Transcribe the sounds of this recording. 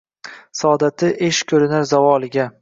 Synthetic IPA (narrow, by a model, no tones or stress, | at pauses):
sɒd̪at̪ʰɪʔeʃkʲʰɵɾɪnaɾzavɒlˠɪɡʲa